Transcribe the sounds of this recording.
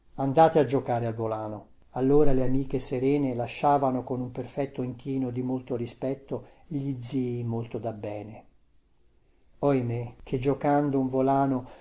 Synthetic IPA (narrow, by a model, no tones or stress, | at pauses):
and̪aːt̪ead͡ʒːokaːɾealvolaːno | alːoːɾaleamiːkeseɾɛːnelaʃːaːvanokonumperfɛt̪ːoiŋkiːnod̪imolt̪orispɛt̪ːo | eʎid̪ziːmolt̪od̪abːɛːne | ɔemek̟ʰed͡ʒːokand̪ouɱvolaːno